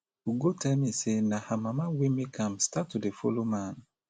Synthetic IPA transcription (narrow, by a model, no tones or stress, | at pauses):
wuɡotʰɛlmisenãhamãmawimikʰãmstatʰːudefolomãn